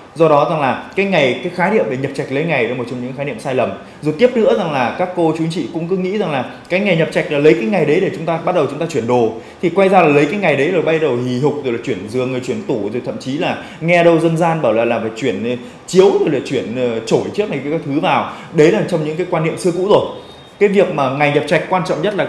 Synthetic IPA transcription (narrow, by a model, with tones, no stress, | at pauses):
zɔ˧ɗɔ˨˦za˨˩ŋlaː˨˩kaː˨˦jŋa˨˩jkaː˨˦jxaː˨˦ɗḭ˧˨əmɗe˨˧˩ɲə˨˩p̚t͡ɕa˨˩jk̚lə˨˦jŋa˨˩jɗə˨˦mo˨˩t͡ɕɔ˧wŋ͡mɲɨ̰˧˥a˨˦˧aː˨˦ɗḭ˧˨əmsaː˧jlə˨˩m | zu˨˩t̪i˦˥əp̚nɨ̰˧˥əza˨˩ŋlaː˨˩kaː˦˥kːo˧t͡ɕu˨˦ŋt͡ɕḭ˧˨kʊ̰˧˥ŋ͡mkɨ˨˦ŋḭ˧˥za˨˩ŋlaː˨˩ | kaː˨˦jŋa˨˩jɲə˨˩p̚t͡ɕa˨˩jk̚laː˨˩lə˨˦jkaː˨˦jŋa˨˩jɗə˨˦jɗe˧˩t͡ɕʊ˨˦ŋ͡mt̪aː˧ɓa˦˥t̚ɗə˨˩wt͡ɕʊ˨˦ŋ͡mt̪aː˧t͡ɕwi˧˩ənɗo˨˩ | t̪ʰi˨˩kwa˧jzaː˧laː˨˩lə˨˦jkaː˨˦jŋa˨˩jɗə˨˦zo˨˩jɓa˧jɗə˨˩whi˨˩ɦʊ˨˩k͡p̚zklaː˨t͡ɕwi˧˩ənzɨ˨˩əŋɨ˨˩əjt͡ɕwi˧˩ənt̪u˧˩zjt̪ʰə̰˧˨mt͡ɕi˨˦laː˨˩ | ŋɛ˧ɗə˧wzə˧nzaː˧nɓaː˧˩wlaː˨˩laː˨˩faː˧˩t͡ɕwi˧˩ən˨˩ | t͡ɕi˨˦əwzk̚laː˨˩t͡ɕwi˧˩ənː˨˩t͡ɕo˧˩jt͡ɕɨ˦˥ək̚na˨˩jkːkaː˦jt̪ʰɨ˨˦vaː˨˩w | ɗə˨˦laː˨˩t͡ɕɔ˧wŋ͡mɲɨ̰˧˥ŋkaː˨˦jkwaː˧nːḭ˧˨əmsɨ˧əkṵ˧˥zo˨˩j | kaː˨˦jvi˨˩ək̚maː˨˩ŋa˨˩jɲə˨˩p̚t͡ɕa˨˩jk̟̚kːwaː˧nt͡ɕɔ̰˧˨wŋ͡mɲə˦˥t̚laː˨˩